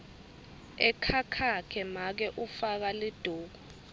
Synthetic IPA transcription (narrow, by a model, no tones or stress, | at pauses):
ɛkʰakʰakʰɛmak̬ɛʔufak̬alid̥ʱuːk̬u